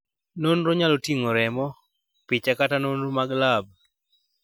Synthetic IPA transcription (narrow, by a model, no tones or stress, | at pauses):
nonɾoɲalotiŋoɾɛmɔ | pɪt͡ʃakatanonɾumaɡlab̚